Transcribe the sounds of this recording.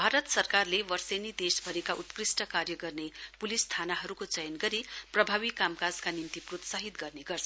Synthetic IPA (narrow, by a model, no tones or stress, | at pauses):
bʱaɾʌt̪sʌrkarlewʌrsenid̪esbʱʌɾekaʔut̪krisʈʌkaɾjʌɡʌrnepulist̪ʰanaɦʌɾukot͡sʌjʌnɡʌɾiprʌbʱaβikamkad͡zkanint̪iprot̪saɦit̪ɡʌrneɡʌrt͡sʰʌ